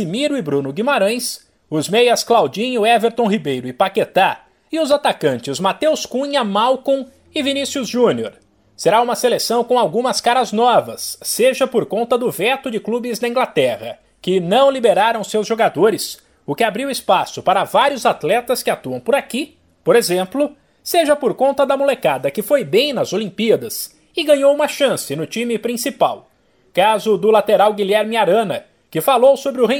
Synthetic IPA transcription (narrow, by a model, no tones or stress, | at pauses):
simiɾʊɪbɾũnʊɡimaɾɐ̃j̃s | ʊzmejɐsklawd͡ʒĩɲʊɛveɾt̪õɦibejɾʊɪpaket̪a | ɪʊzat̪akɐ̃nt͡ʃɪzmat̪ewskũɲɐmawkõ | ɪvinisjʊzʒũnioɾ | seɾaũmɐselesɐ̃w̃kõw̃awɡũmɐskaɾɐznɔvɐ̰sːeʒɐpoɾkõnt̪ɐd̪ʊvɛt̪ʊd͡ʒɪklubɪzd̪ɐĩɡlat̪ɛʁɐ | kɪnɐ̃w̃libeɾaɾɐ̃w̃sewzʒoɡad̪oɾɪs | ʊkɪabɾiwɪspasʊpaɾɐvaɾjʊzat̪lɛt̪ɐskɪat̪uɐ̃w̃pʊɾaki | poɾezẽmplʊ | seʒɐpoɾkõnt̪ɐd̪ɐmolekad̪ɐkɪfojbẽj̃nɐzolĩmpiɐd̪ɐs | ɪɡɐ̃ɲowũmɐʃɐ̃sɪnʊt͡ʃĩmɪpɾĩsipaw | kazʊd̪ʊlat̪eɾawɡiʎɛɾmɪaɾɐ̃nɐ | kɪfalowsobɾɪʊɦẽ